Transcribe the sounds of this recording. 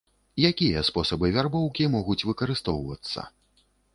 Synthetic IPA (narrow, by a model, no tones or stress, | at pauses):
jakʲijɐspɔsɐbɨvʲarbɔwkʲimɔɣut͡sʲvɨkɐɾɨst̪ɔwvɐt̪sːɐ̰